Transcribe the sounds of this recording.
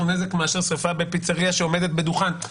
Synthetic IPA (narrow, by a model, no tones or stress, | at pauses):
ne̞zekmeaʃeʁsʁifabepit͡saʁiaʃeo̞med̪e̞t̪̚bed̪uχan